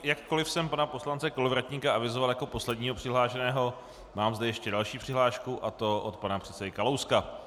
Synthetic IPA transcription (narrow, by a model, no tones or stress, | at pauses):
jakːo̞lɪfsɛmpanapo̞slant͡sɛkolovɾac̪ɲikaʔavɪzovaljako̞po̞slɛdɲiːɦo̞pr̥ɪɦlaːʃɛnɛːɦo̞ | maːmzdɛjɛʃcɛdalʃiːpr̥ɪɦlaːʃkuʔat̪o̞ʔot̪panapr̥ɛt̪t͡sɛdɪkalowska